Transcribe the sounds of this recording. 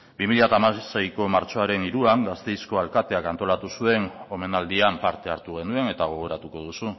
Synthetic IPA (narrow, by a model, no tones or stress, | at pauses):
bimilʎat̪amasajko̞maɾt͡ʃo̞aɾe̞niɾuaŋɡast̪e̞jsko̞alkat̪e̞akant̪o̞lat̪usue̞no̞me̞nald̪iampaɾt̪e̞aɾt̪uɣ̞e̞nue̞ne̞t̪aɣ̞o̞ɣ̞o̞ɾat̪uko̞ð̞usu